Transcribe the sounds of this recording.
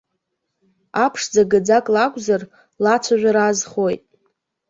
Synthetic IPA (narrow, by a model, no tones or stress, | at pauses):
apʰʂd͡zaɡad͡zakʼlakʷʼzar | lat͡ʃʷʰaʒᶣʷaɾazχojtʼ